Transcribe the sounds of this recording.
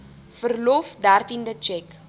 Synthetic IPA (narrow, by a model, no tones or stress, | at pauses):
fərlɔfdærtindət͡ʃɛk